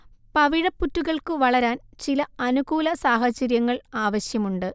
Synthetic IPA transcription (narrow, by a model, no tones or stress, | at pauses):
pɐʋiɻɐpːutːuɣɐɭkɨʋɐɭɐɾaːnt͡ɕilɐɐnuɡuːlɐsaːɦɐt͡ɕːɐɾjɐŋːɐɭaːʋɐɕjɐmuɳɖɨ